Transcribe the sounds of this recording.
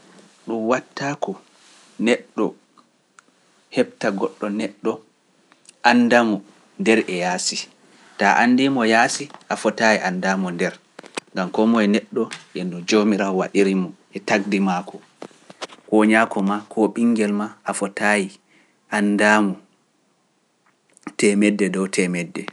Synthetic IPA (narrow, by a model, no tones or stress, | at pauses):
ɗumwatːakɔ | nɛɗːɔ | hɛb̚taɡɔɗːɔnɛɗːɔ | ʔandamɔ | ndɛɾʔɛjaːsi | taʔandimɔjaːsiʔafɔtajiʔandaːmɔndɛɾ | ŋɡamkɔmɔɛnɛɗːɔʔɛnɔd͡ʒomiɾawaɗiɾimɔʔɛtaɡ̚dimaːkɔ | kɔɲakɔmakʰɔɓiŋɡɛlmaafɔtaji | ʔandamɔ | tɛmɛdːɛdɔtʰɛmɛdːɛ